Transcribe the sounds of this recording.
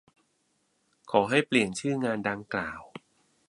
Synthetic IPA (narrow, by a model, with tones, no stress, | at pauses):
kʰɔː˩˦ɦa˥˩jpli˨˩ənt͡ɕʰɯː˥˩ŋaː˧nda˧ŋklaː˨˩w